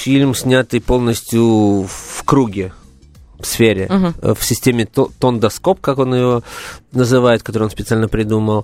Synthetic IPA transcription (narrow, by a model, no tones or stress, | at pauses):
fʲilʲmsʲnʲat̪ɨjpo̞lˠnəsʲtʲjʊfkɾuɡʲɪ | fsfʲeɾʲɪ̰fsʲɪsʲtʲemʲɪt̪ond̪ɐsko̞p̚kako̞nɨvonəzɨvajɪt̪̚kɐt̪oɾɨjo̞nspʲɪt̪salʲnəpɾʲɪd̪uməlˠ